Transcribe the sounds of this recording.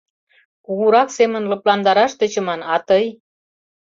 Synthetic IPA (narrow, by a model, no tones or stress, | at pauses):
kuɣuɾɑksemə̆nlɤ̆plɑnd̪ɑɾɑʃt̪ə̆t͡ɕə̆mɑnɑt̪əj